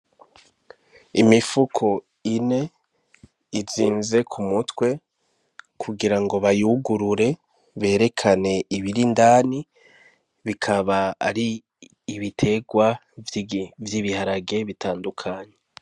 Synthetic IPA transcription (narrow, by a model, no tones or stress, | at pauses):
imifukʰo̞ | ine̞ | iziːnze̞kʰumutwe̞ | kʰuɡiɾaŋɡo̞βajuɡuɾuɾe̞ | βe̞ːɾe̞kʰane̞iβiɾindaːni | βikʰaβaːɾiː | βitʰe̞ɡwa | vjiβihaɾaɡe̞βitaːndukʰaːɲe̞